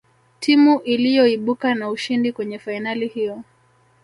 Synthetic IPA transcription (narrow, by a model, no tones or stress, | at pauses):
tʰimuʔilijɔiɓukanauʃindikwɛɲɛfainalihijɔ